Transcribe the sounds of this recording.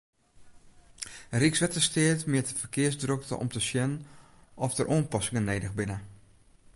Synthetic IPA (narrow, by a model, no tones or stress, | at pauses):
riksʋɛtəstɪətmɪətəfərkɪəsdrøk̚tə̰ʔɔ̰mtəsjɛn | ʔɔftəɾʔoənpɔsɪŋənːeːdəxbɪnə